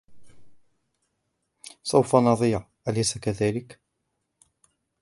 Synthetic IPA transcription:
sawfanɑðˤiːɾ | ʔalajsakaðaːlɪk

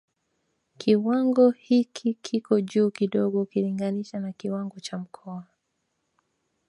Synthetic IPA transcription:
kʰiwaŋɡɔhikʰikʰikɔʄuːkiɗɔɠɔkiliŋɡaniʃanakiwaŋɡɔt͡ʃam̩kʰɔa

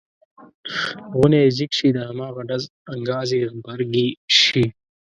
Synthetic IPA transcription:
ɣʊnezikʃid̪əhɐmɑːɣaɖɐz | ɐŋɡɑːziɣbɐɾɡiʃi

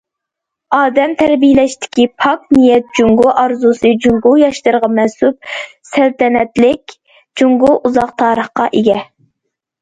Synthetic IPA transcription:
ɑːd̪ɛmt̪ʰɛɾbijlɛʃt̪ʰɪ̥kʲipʰɑknijɛt̪̚d͡ʒuŋɡuʔɑɾzusɨd͡ʒuŋɡujɑʃlɨɾʁɑmɛnsup̚sælt̪ɛnɛt̪lɪkʲ | d͡ʒuŋɡuʔuzɑqt̪ʰɑːɾəχqɑ̰ʔeɡʲɛ

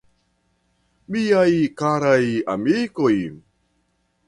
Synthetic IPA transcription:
mijajkaɾaja̰mikoj

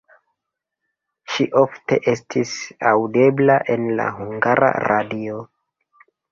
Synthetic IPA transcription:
ʃiʔo̞fte̞ʔe̞stʰisawde̞blaʔe̞nla̰ɦuŋɡaɾʔa̰ɾadio̞

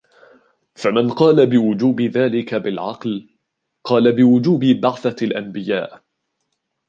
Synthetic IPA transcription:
famɪnqɑːlabɪwʊd͡ʒuːbɪðaːlɪkabɪlʕɑql | qɑːlabɪwʊd͡ʒuːbbaʕθalʔambɪja̰ːʔ

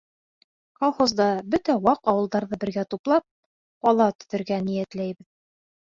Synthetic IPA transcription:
kolˠχozd̪ɑbɵt̪æwɑqɒwɤ̆lˠd̪ɑɾðɤbɘ̆ɾɡæt̪uplˠɑp̚ | qɒlˠɑt̪ɵ̥̆ðɘ̆ɾɡænijæt̪læjbɘð

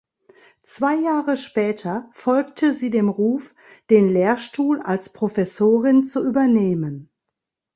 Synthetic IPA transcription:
t͡sv̥aɪjaːʁəʃpɛːtʰɐfɔlktʰəziːdeːmʁuːf | d̥eːnleːɐʃtuːla̰lspʁ̥ofɛsoːʁɪnt͡suʔyːbɐneːmən

